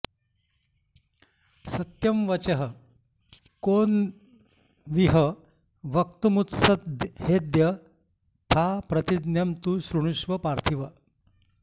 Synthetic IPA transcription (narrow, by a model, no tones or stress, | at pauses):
sɐt̪jɐmʋɐt͡ɕɐɦə | kon | ʋiɦə | ʋɐk̚t̪umut̪sɐhed̪jɐ | t̪ʰapɾɐt̪id̪njɐmt̪usɾuɳ̃uʂʋɐpaɾt̪ʰiʋɐ